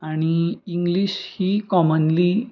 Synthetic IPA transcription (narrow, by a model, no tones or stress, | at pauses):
aɽ̃iiŋɡliɕhiːkɔmənli